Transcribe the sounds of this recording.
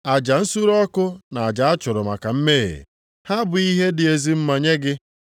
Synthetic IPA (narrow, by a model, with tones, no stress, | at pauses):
a˨d͡ʒa˨n̩˦su˦ɾɔ˦kʊ˦na˨a˨d͡ʒa˨a˦t͡ʃʊ˨ɾʊ˨ma̰˨ka˨m̩˦me˦˨ḛ˨ | ha˦bʊ˨i˦ɦe˦dɪ˨e˨zi˦m̩˦ma˨ɲe˦ɡɪ˦